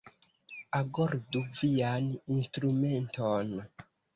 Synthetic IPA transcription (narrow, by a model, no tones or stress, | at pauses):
aɡoɾduvianinstɾume̞nton